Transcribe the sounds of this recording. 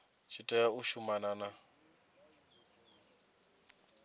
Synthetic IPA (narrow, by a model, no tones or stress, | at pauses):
t͡ʃʰitʼɛauʃumanana